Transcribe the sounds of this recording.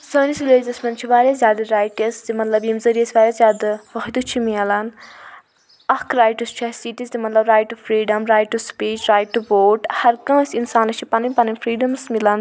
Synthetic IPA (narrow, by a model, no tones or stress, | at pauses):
səːnisileːzɐsmʲɐnt͡ʃʰiʋaːɾʲjaːzʲjaːd̪ɨɾaːjʈɐszimɐt̪lɐbjimzɐɾijɐsbaːɾʲjaːszʲjaːd̪ɨʋɐɦd̪ut͡ʃʰimiɐlɐn | ɐkɾaːjʈɐst͡ʃʰɐsiːʈizʲt̪imɐt̪lɐbɾaːjʈufʰɾiːɖɐmɾaːjʈuspiːt͡ʃɾaːjʈuʋoːʈhɐɾkɐ̃ːsinsaːnlɐt͡ʃʰipɐnɐmʲpɐnɐmʲfʰɾiːɖɐmsmilɐn